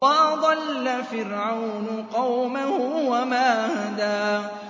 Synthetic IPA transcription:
ad̪ˤɑlːafɪɾʕawnʊqɑwmahʊwamaːhad̪aː

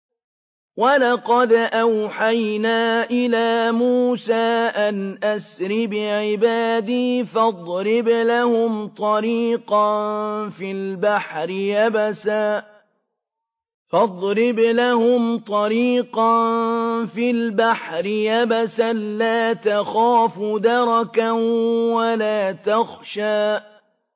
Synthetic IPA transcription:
walɑqɑd̪ʔawħajnaːʔɪlaːmuːsaːʔanʔasɾɪbɪʕɪbaːd̪iːfɑd̪ˤɾɪblahʊmt̪ˤɑɾiːqɑnfiːlbaħɾɪjabasaː | fɑd̪ˤɾɪblahʊmt̪ˤɑɾiːqɑnfiːlbaħɾɪjabasanlaːt̪axaːfʊd̪ɑɾˤɑkawalaːt̪axʃaːʔ

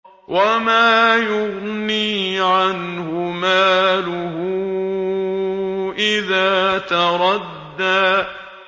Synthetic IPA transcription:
wʔamaːjʊɣniːʕanhʊmaːlʊhʊ | ʔɪðaːt̪ɑɾˤɑd̪ːaː

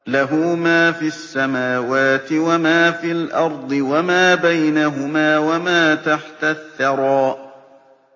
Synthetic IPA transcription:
laɦuːmaːfiasːamaːwaːt̪ɪwamaːfiːlʔɑɾˤd̪ˤɨwamaːbajnaɦʊmaːwamaːt̪aħt̪aθːɑɾˤɑːʔ

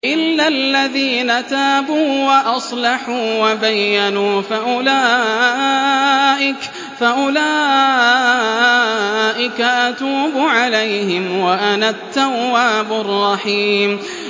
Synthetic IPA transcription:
ʔɪlːalːaðiːnat̪aːbuːwaʔɑsˤlɑħuːwabajːanuːfaʔʊlaː | ʔɪk | faʔʊlaː | ʔɪkaʔat̪uːbʊʕalajhɪmwaʔanaːt̪ːawːaːbʊrˤːɑħiːm

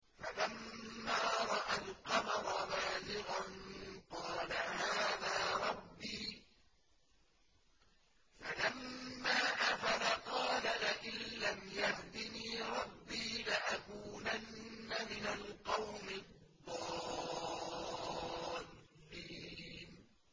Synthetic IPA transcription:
falamːaːɾˤɑʔalqɑmɑɾˤɑmaːzɪɣanqɑːlahaːðaːɾˤɑbːiː | falamːaːʔafalaqɑːlalaʔɪnlamjahd̪ɪniːɾˤɑbːiːlaʔakuːnanːamɪnalqɑwmɪdd̪ˤːɑː | lːiːn

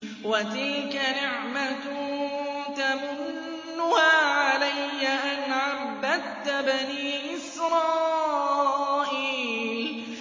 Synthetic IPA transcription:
wat̪ɪlkanɪʕmat̪ | t̪amʊnː | ʊhaːʕalajːaʔanʕabːad̪t̪baniːʔɪsɾˤɑː | ʔiːl

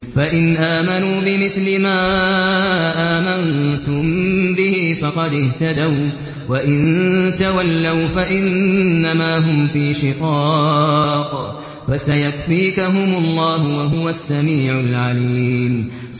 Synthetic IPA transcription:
faʔɪnʔaːmanuːbɪmɪθlɪmaː | ʔaːmant̪ʊmbɪhifɑqɑd̪ɪht̪ad̪aw | waʔɪnt̪awalːawfaʔɪnːamaːɦʊmfiːʃɪqɑː | q | fasajakfiːkaɦʊmʊlˤːɑːhʊwaɦʊwasːamiːʕʊlʕaliːm

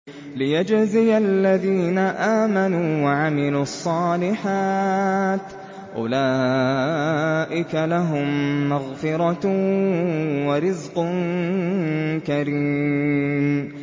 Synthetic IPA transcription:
lɪjad͡ʒzɪjʔaalːaðiːnaʔaːmanuːwaʕamɪluːɑsˤːɑːlɪħaːt̪ | ʔʊ̰laː | ʔɪkalaɦʊmːaɣfɪɾɑ | waɾɪzqʊn | kaɾiːm

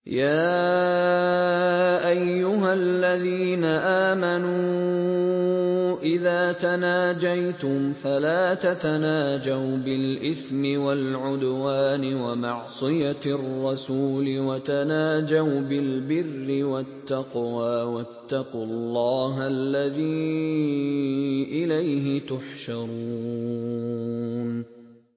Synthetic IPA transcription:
jaː | ʔajːʊɦalːaðiːnaʔaːmanuː | ʔɪðaːt̪anaːd͡ʒajt̪ʊmfalaːt̪at̪anaːd͡ʒawbɪlʔɪθmɪwalʕʊd̪waːnɪwamɑʕsˤɨjarˤːɑsuːlɪwat̪anaːd͡ʒawbɪlbɪrːɪwat̪ːɑqwaːwat̪ːɑqʊlˤːɑːɦalːaðiː | ʔɪlajɦɪt̪ʊħʃɑɾˤu | n

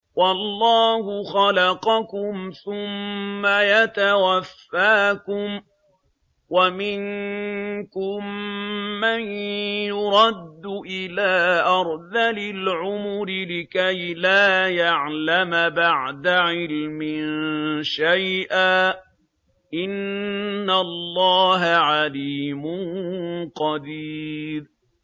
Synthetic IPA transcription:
wɑlˤːɑːhʊxɑlɑqɑkʊmθʊmːajat̪awafːaːkʊm | wamɪŋ | kʊmː | anjʊɾˤɑd̪ːʊʔɪlaːʔɑɾˤðalɪlʕʊmʊɾɪlɪkajlaːjaʕlamabaʕd̪aʕɪlmɪnʃajʔaː | ʔɪnː | alˤːɑːɦaʕaliːmʊnqɑd̪iːɾ

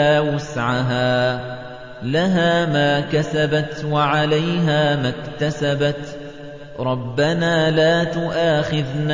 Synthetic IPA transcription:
aːwasʕaɦaː | laɦaːmaːkasabat̪waʕalajɦaːmakt̪asabat̪ | ɾˤɑbːanaːlaːt̪ʊʔaːxɪðn

